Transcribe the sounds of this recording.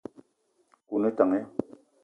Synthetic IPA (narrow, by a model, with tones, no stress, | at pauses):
ku˨ne˦ta˨ŋe˦